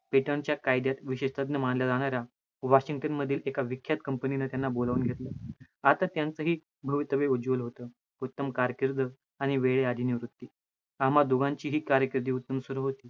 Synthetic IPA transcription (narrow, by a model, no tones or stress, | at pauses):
piʈəɳt͡ɕjakajd̪jat̪ʋiɕeɕt̪əd̪nəmaɳljad͡zaɽ̃aɾja | ʋaɕiŋɡʈənməd̪ʱiːlekaʋikʰjat̪kəmpəninət̪janːabolaʋuːnɡʱet̪ləː | at̪at̪jant͡səɦiː | bʱəʋit̪əʋeod͡ʑulɦot̪əː | ut̪ːəmkaɾəkiɾd̪ʱə | aɽ̃iʋeɭead̪ʱiniʋɾut̪ːiː | amad̪oɡãɲt͡ɕiːɦiːkaɾjəkiɾd̪ʱiːut̪ːəmsəɾuɦot̪iː